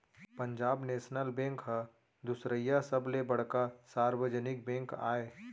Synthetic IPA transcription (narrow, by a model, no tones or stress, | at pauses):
pə̃ɲd͡ʒaːbneːʃnəlbẽːŋkɦa | d̪ʊsɾəjːasəblebɐɽ̤kasaːɾwəd͡ʒənɪk̚bɛ̃ːŋka̰ːeː